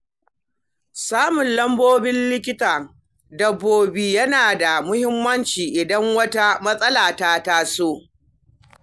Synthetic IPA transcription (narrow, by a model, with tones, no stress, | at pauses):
saː˦mʊ˨nlɐ˦mboː˦bɪ˦nlɪ˦kʲɪ˦taː˨ | dɐ˨bːoː˨biː˨jɐ˦naː˨da˨mʊ˦hɪ˦mːɐ˦nt͡ʃiː˨ʔɪ˨dɐ˦ŋwɐ˦ta˦mɐ˦sʼɐ˦laː˨taː˦ta˦soː˦